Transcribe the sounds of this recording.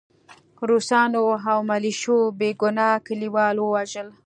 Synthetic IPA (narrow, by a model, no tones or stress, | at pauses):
ɾusɑnoawmaliʃobeɡʊnɑkəliwɑlwəwaʒəl